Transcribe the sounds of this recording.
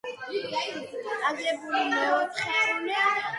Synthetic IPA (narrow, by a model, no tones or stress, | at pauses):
sʼaɡlɛbulimɛɔt̪ʰχɛ